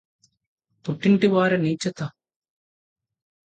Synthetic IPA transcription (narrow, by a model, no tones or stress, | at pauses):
puʈːiɳʈiʋaːɾɐniːt͡ʃːɐt̪ɐ